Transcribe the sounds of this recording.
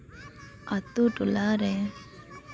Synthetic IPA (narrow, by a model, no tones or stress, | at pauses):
at̪uʈulaɾɛ